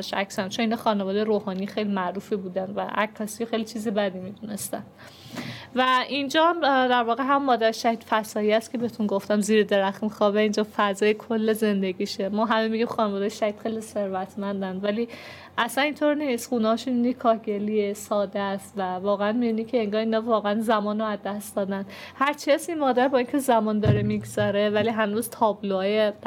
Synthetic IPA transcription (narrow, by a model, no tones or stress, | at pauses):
ʃæksænt͡ʃʰoniːnɒxɒːnevɒːd̪ejeɾoːhɒːnijxejlimæʔɾuːfibuːd̪ænd̪væ̰ʔækʰːɒsijexejlit͡ʃʰiːzebæd̪imid̪une̞st̪ænd̥̪ | væʔind͡ʒɒːhæmd̪æɾvɒːɣeɦæmumːɒːd̪æɾʃæhid̪fæsɒːjiæst̪cʰe̞beet̪ʰunɡoft̪æmziːɾed̪e̞ɾæxmixɒːbeind͡ʒɒfæzɒːjekʰolːeze̞nd̪eɡiːʃemɒːɦæmemiɟimxɒːnevɒːd̪ejeʃæhid̪̥xejlise̞ɾvæt̪ʰmænd̪ænd̪væli | ʔæsænint̪ʰoɾniːsxunhɒʃunːikʰɒːhɡe̞liesɒːd̪est̪vævɒːɣeænmibinicʰeːŋɡɒːhiːnɒvɒːɣeænzæmɒːnoæzd̪æsd̪ɒːd̪æn | hæɾt͡ʃʰiæsinmɒːd̪æɾbɒːincʰezæmɒːnd̪ɒɾemiɡz̥ɒɾe̞væliɦænuzt̪ʰɒːbloɒːje